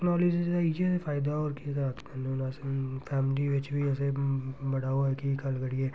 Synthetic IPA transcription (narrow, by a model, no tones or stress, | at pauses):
knɔːliːd͡ʒisaid͡ʒɛsefaːɪd̪aɔːɾkiɛseɾaːt̪kɐɾnonaːsefɛːmliʋɪt͡ʃbʱiɛːsebɐɽaːoɛkikɐlɡɐɽiɛ